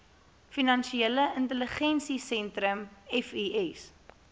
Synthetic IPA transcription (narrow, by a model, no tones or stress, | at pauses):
finɐnʃieləʔəntələχɛnsisɛntɾəmɛfiɛs